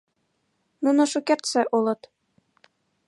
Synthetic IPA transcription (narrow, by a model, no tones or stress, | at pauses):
nunɤ̆ʃukert̪sɘʔulˠɤ̆t̪